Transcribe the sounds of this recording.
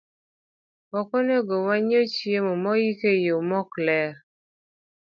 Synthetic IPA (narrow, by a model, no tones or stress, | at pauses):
wɔkɔneɡowaɲot͡ʃijemɔmɔjikejomɔklɛɾ